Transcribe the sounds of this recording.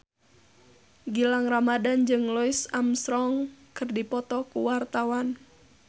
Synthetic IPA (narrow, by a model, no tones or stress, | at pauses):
ɡilaŋramadand͡ʒɨŋlɔisamsɾɔŋkɨrdipɔt̪ɔkuwart̪awan